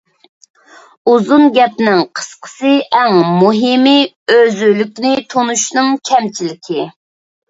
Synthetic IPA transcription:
uzunɡʲɛpnɪŋqʰə̥sqʰə̥sɨɛŋmuɦɪmɪ | øzylykʲnɪt̪ʰonuʃnɨŋkʲʰɛmt͡ʃʰilɪkʲʰi

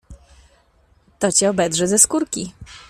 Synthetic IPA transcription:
t̪ɔt͡ɕɛɔbɛd̪ʐɛzɛskuɾkʲi

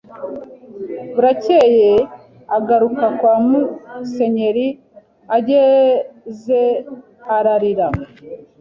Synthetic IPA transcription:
βuɾaceje | aɡaɾukakwaːmuse̞ɲe̞ɾi | aɟe | ze | aɾaɾiɾa

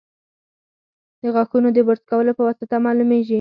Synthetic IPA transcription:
d̪əɣaxunod̪əbəɾt̪kawəlopəwasət̪amɑlumeʒi

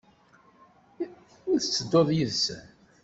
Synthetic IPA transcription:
ʊθt͡sːəd̪ːoðˤjəðsə̰n

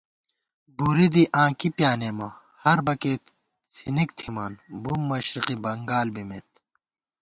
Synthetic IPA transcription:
buɾid̪iʔãːkipjaːneːmɐ | hɐɾbɐkeː | t͡sʰinikt̪ʰimaːnbumːɐɕɾiqibɐŋɡaːlbimḛt̪̚

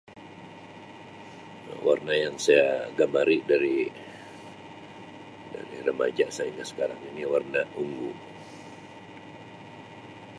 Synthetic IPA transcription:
warnajaŋsajaɡamaɾidaɾi | da̰ɾiɾəma̰d͡ʒaʔsaiŋɡasə̥kaɾaŋiniwarnauŋɡu

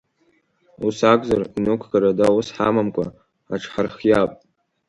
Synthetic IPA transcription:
usaɡʷʼzarinokʷʰɡaɾadawʊsħamamkʷʼa̰ | aʈ͡ʂʰħarχjapʼ

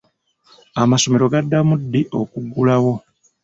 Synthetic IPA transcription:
amaso̞me̞ɾo̞ɡadːamudːiʔo̞kuɡulawo̞

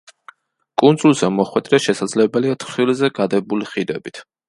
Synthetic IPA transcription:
kʼunsʼulˠzɛmɔχwɛd̪ɾɛʃɛsad̪zlɛbɛliat̪ʰχχilzɛɡad̪ɛbuliχid̪ɛbit̪ʰ

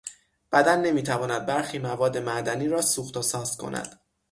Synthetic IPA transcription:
b̥æd̪ænːe̞miːt̪ʰævɒːnæd̪̚bæɾxiːmævɒːd̪ːe̞mæʔd̪æniːɾɒːsuːxt̪osɒːz̥kʰo̞̰nʔæ̰d̪̥

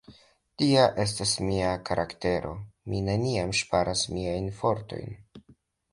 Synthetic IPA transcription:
tiaʔe̞s̬tasmiakʰaɾʔakte̞ɾʔo̞̰mine̞niamʃpaɾʔasmiajnfo̞ɾto̞̰jn

